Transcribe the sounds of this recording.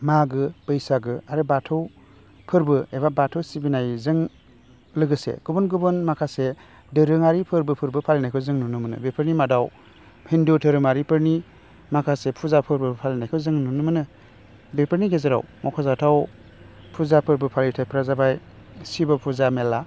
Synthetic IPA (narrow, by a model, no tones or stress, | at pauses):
maɡɯb̥ɯjsaɡɯaɾɯbatʰɯw | pʰɯɾbɯebabatʰɯwsibinajzɯŋ | lɯɡɯsḛɡ̥ubunɡubɯnmakʰase | dɯɾɯŋaɾipʰɯɾbɯpʰɯɾbɯpʰalenajkʰɯwzɯŋnunɯmɯnɯ̰bepʰɯɾnimadaw | hindutʰɯɾɯmaɾipʰɯɾni | makʰasepʰuzapʰɯɾbɯpʰalinajkʰɯwzɯŋnunɯmɯnɯ | bepʰɯɾniɡezɯɾa̰wmɔkʰɔzatʰaw | pʰuzapʰɯɾbɯpʰalitʰajpʰɾazabaj | sibapʰuzamela